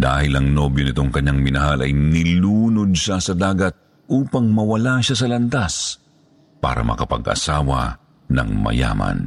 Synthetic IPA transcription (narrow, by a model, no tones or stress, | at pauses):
d̪aːhɪlɐŋnobjonɪt̪o̞ŋkɐɲaŋmɪnɐɦalʔɐjnɪluːnod̪̚ʃasɐd̪aːɡɐt̪̚ | ʔuːpɐŋmɐwɐlaʃas̬ɐlɐnt̪as | pa̰ːɾɐ̰mɐ̰kɐpɐ̰ɡʔɐ̰saːwɐ̰ | nɐ̰ŋmɐ̰ja̰ːmɐ̰n